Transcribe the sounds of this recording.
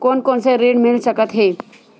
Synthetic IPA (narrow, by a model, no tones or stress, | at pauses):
kɔːnkɔːnseɾeːɽmɪlsəkət̪ɦeː